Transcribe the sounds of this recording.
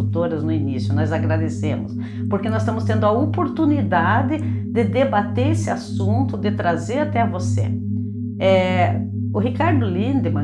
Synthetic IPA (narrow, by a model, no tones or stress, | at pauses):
t̪oɾɐznʊinisjʊnɔzaɡɾad̪esẽmʊs | poɾkenɔst̪ɐ̃mʊst̪ẽnd̪ʊɐopoɾt̪unid̪ad̪ɪd̪ɪd̪ebat̪eɾesɪasũnt̪ʊd̪ɪt̪ɾazeɾat̪ɛɐvosḛ | ɛ | ʊɦikaɾd̪ʊlĩnd̪ɪmɐ̃